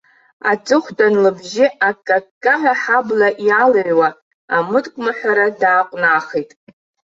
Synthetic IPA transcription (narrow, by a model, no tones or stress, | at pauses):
at͡sʼɨχʷdʼanlɨbʒɪakʼːakʼːaʕaħablaʔjalaʕwa | amɨtʼkʷʼmaħʷᶣaɾadaːqʷʼnaːχejtʼ